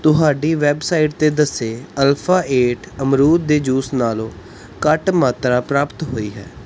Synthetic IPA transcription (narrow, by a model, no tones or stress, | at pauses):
t̪ʊɦaːɖiːʋɛːbsaːɪʈ̚t̪eːd̪əseːəlpʰaːʔeːʈəmɾuːd̪̚d̪eːd͡ʒuːsnaːlõː | kəʈmaːt̪ɾaːpɾaːpt̪ɦoːiːɦɛ̰ː